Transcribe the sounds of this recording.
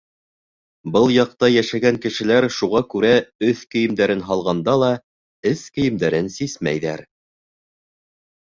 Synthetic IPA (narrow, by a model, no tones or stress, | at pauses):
bɤlˠjɑq̚t̪ɑjæʃæɡæŋkɘ̆ʃɘ̆læɾʃuʁɑkʉɾæɵθkɘ̆jɘ̆md̪æɾɘnɦɑlˠʁɑnd̪ɑlˠɑ | ɘskɘ̆jɘ̆md̪æɾɘnsismæ̰jðæɾ